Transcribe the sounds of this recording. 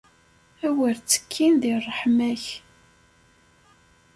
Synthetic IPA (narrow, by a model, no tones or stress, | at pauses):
æwəɾt͡sːə̥kʰːinðirˤːəħmæç